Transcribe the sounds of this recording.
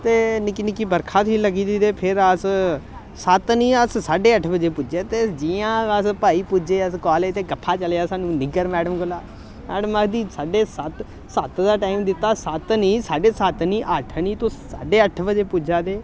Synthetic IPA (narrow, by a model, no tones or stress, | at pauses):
t̪eːnɪkinɪkiːbəɾkʰaːt̪ʰiːləɡiːd̪iːd̪eːpʰɪɾəs | sət̪nĩːəssaːɖeːəʈʰbəd͡ʒeːpʊd͡ʒeːt̪eːd͡ʒiːãːəspaːiːpʊd͡ʒeːəskaːleːt̪eːɡəpʰːaːt͡ʃəleːaːsaːnũːnɪɡəɾmɛːɖəmɡʊlaː | mɛːɖəməkʰd̪iːsaːɖeːsət̪ | sət̪d̪aːʈaːimd̪ɪt̪ːaːsət̪niːsaːɖeːsət̪niːʔəʈʰniːt̪ʊssa̰ːɖeːəʈʰbəd͡ʒeːpʊd͡ʒaːd̪eː